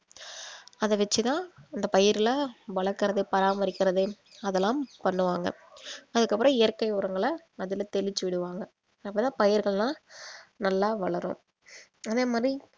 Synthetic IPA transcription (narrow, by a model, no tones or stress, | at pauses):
ɐðɐʋɛt͡ʃːɯt̪ãːɪnd̪ɐpɐjɪɾɪlʋɐɭɐɾkːɯɾɐðɯpɐɾaːmɐɾɪkʲːɪɾɐðɯ | ɐðɛlːãːmpɐɳːɯʋaːŋɡɐ̰ɐðɯkːɐpːɯɾɐ̃ɪjɐɾkɐɪʊɾɐŋɡɐɭɐ | ɐðɪlt̪ɛlɪt͡ʃːɯʋɪɽɯʋaːŋɡɐ | ɐpːɐt̪ãːpɐjɪɾɣɐɭnãːnɐlːaːʋɐɭɐɾõ̰ːm | ɐðeːmaːd̪ɾi